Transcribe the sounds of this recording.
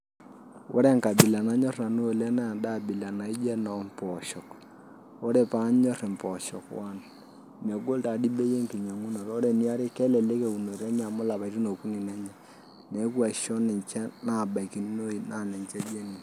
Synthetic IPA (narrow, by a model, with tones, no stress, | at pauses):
wo˦ɾɛ˦˨ŋka˨bɪ˨la˨na˨˦ɲɔ˦rna˨nu˦o˨lɛ˦na˦a˨da˦˨bɪ˨la˨na˨i˦d͡ʒɛ˦nɔ˨mpɔ˨ʃɔ˨k | o˦ɾe˨pa˦ɲɔ˦ɾɪ˨mpɔ˨ʃɔ̰˨kwa˦n | me˨ɡo˦lta˨di˦be˦je˦ŋki˨ɲa˨ŋu˦no˨ɾo˦ɾe˨ni˦a˦ɾi˦kɛ˦lɛ˨le˦ke˨u˨no˨ɾɛ˦ɲa˨mʊ˦la˨pa˨i˦ti˦no˨ku˦ni˨nɛ˦ɲa˨ | ne˨˦kwa˨ʃɔ˦nɪ˨ɲt͡ʃɛ˦na˦˨ba˨i˨ki˨n˦o˦i˨na˦˨nɛ˨ɲt͡ʃɛ˦d͡ʒe˦ni˨